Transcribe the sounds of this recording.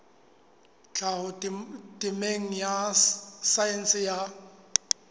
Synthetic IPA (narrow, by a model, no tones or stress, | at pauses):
t͡ɬʰaɦʊtʼɪmeŋ̩jasajɛnsɪja